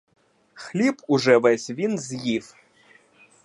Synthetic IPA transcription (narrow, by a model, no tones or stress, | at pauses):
xlʲipuʐɛvɛsʲvʲinzʲjif